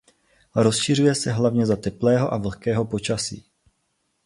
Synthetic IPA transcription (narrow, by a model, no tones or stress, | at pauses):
ɾo̞sʃir̝ujɛsɛɦlavɲɛzat̪ɛplɛːɦo̞ʔavl̩kɛːɦo̞po̞t͡ʃasḭː